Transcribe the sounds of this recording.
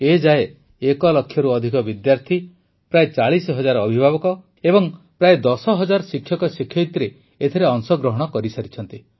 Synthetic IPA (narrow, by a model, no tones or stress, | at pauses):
ed͡ʒae | ekɔlɔkʰːjɔɾuɔd̪ʱikɔbid̪jaɾt̪ʰi | pɾaet͡ʃaɭisɔɦɔd͡ʒaɾɔːbʱibʱabɔkɔ | ebɔŋ | pɾaed̪ɔsɔɦɔd͡ʒaɾɔsikʰːjɔkɔsikʰjɔit̪ɾe | et̪ʰeɾeɔŋsɔɡɾɔɦɔɽ̃ɔkɔɾisaɾit͡ʃʰɔnt̪i